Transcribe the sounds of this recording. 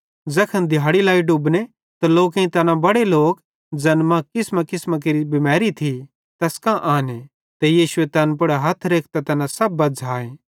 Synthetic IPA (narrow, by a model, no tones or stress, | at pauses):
d͡zɐkʰɐnd̪ʱɪjaːɽilaːiɖʊbne | t̪ɐloːkẽĩt̪ɐnãbɐɽeloːk | d͡ʒɐnmãkɪsmakɪsmãk̬eɾibɪmɛːɾit̪ʰi | t̪ɐskãʔaːne | t̪ejiːʃʊet̪ɐnpɐɽaɦɐt̪ʰɾeːkʰt̪at̪ɐnãsɐbːɐd͡zaːẽː